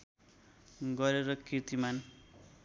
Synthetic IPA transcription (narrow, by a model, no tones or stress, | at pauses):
ɡʌɾeɾʌkit̪iman